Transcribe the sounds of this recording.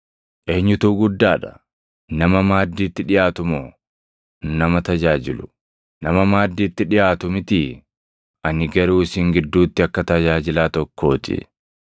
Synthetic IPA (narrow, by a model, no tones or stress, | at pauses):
ʔeːɲːʊt̪uːɡʊd̪ːaːᶑɐ | nɐmɐmaːd̪ːiːt̪ːɪᶑɪjaːt̪ʊmoː | nɐmɐt̪ɐd͡ʒaːd͡ʒɪlʊ | nɐmɐmaːd̪ːiːt̪ːɪᶑɪjaːt̪ʊmɪt̪ɪ | ʔɐnɪɡɐɾuːɪsiːŋɡɪd̪ːuːt̪ːɪɐkːɐt̪ɐd͡ʒaːd͡ʒɪlaːt̪ɔkːo̞ːt̪ɪ̰